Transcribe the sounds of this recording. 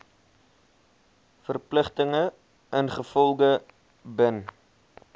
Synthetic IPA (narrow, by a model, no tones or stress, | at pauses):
fərpləχtəŋə | ənχəfɔlˠɡə | bən